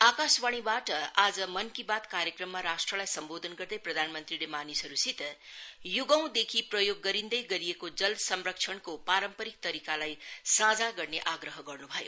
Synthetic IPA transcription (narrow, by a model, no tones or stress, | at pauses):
akaswaɽ̃ibaʈʌad͡zʌmʌnkibat̪kaɾjekrʌmːaɾasʈrʌlajsʌmbod̪ʱʌnɡʌrd̪ʌjprʌd̪ʱanmʌnt̪rilemanisɦʌɾusit̪juɡʌw̃d̪ekʰiprʌjoɡːʌɾind̪ʌjɡʌɾijekod͡zʌlsʌmrʌkt͡ʃʰʌɳkopaɾʌmpʌɾik̚t̪ʌɾikalajsad͡zaɡʌrneʔaɡrʌɦʌɡʌrnubʱʌjo